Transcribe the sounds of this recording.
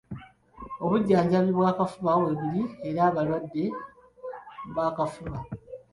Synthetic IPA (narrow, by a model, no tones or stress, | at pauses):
o̞βuɟːaːɲɟaβiβwaːkafuβawe̞βiɾie̞ɾaːβalwadːe̞ | βaːkafuβa